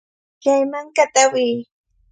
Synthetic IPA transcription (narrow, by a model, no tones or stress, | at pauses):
jajmaŋkat̪awiː